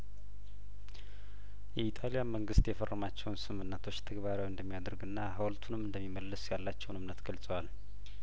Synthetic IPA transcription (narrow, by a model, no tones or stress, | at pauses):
jɛit̪ʼalijaməŋɡɨst̪jɛfərːəmat͡ʃːɛwnsɨmɨnːət̪ʰo̞t͡ʃːt̪ʰəɡβaɾjawɨnd̪əmːijad̪əɾɡɨnːaɦəwlt̪ʰunɨmɨnd̪əmːimːəlːɨsjalːat͡ʃːɛwnɨmnət̪ɡ̥əlsʼəwal